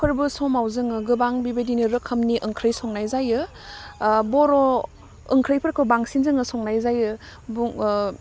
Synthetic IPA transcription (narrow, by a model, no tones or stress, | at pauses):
kʰɯɾbɯsɔmawzɯŋɯɡɯbaŋbibedinɯɾɯkʰːəmniʔɯŋkʰɾɯjsɔŋnajzajɯ | bɔɾɔ | ɯŋkʰɾɯjpʰɯɾkʰɯbaŋsinzɯŋɯsɔŋnajzajɯ | buŋ